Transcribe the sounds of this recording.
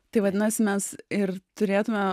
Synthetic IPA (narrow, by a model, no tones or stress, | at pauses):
t̪ɐɪʋɐd̪ʲɪnɐsʲɪmʲɛsɪrt̪ʊɾʲeːt̪ʊmʲɛ